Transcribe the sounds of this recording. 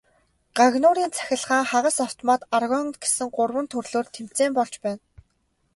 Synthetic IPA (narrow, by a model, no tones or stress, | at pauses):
ɢ̥aɣnʊːɾiːnt͡sʰæ̥xʲɪ̆ɮχaːŋχaʁə̆saw̥t̪ʰɔmaːt̪arɣɔnt̪ɡe̥sɘ̆ŋɢʊrwə̆nt̪ʰɵrɮoːrt̪ʰem̥t͡seːmpɔɮt͡ɕpæːn